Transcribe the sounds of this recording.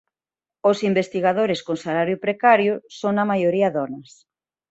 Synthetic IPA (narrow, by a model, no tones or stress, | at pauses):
osimbest̪iɣaðoɾeskoŋsalaɾjʊpɾekaɾjʊsoŋnɐmajoɾiɐðɔnɐs